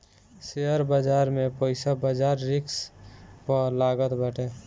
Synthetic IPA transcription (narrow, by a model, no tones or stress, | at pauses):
seəɾbəd͡ʒaːɾmẽpoɪsabəd͡ʒaːɾːɪkspəlaːɡət̪bəʈe